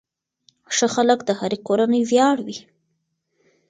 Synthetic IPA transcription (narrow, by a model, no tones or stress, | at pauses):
ʂəxaləkd̪əhaɾekoɾanəjzjɑɽwi